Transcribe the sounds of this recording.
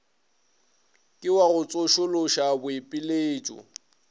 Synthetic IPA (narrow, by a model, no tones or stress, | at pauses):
kʼɪwaɣʊt͡sʼoʃʊloʃabʊepʼɪleːt͡ʃʼʊ̰